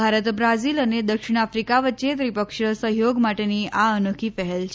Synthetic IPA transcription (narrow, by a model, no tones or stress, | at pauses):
aɾət̪bɾaziləned̪əkʂiɽ̃afɾikaʋətːt͡ʃet̪ɾipəkʂɭəsəɦjoɡmaʈeniaənokʰifəɦelt͡ʃʰ